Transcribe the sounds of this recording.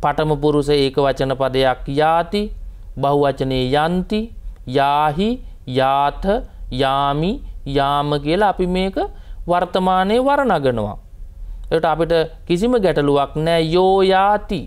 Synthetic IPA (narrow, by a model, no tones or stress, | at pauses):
paʈəməpuɾusəeːkəʋat͡ʃənəpad̪əjakjaːt̪i | baɦuʋat͡ʃənejəjant̪ijaːɦi | jaːt̪ʰəjaːmijaːməkiəlaːpimeːkəʋaɾt̪əmaːnejəʋaɾənaɡənəʋa̰ | eʋʈəapiʈəkisiməɡɛʈɐluʋaknɛːjoːjaːt̪i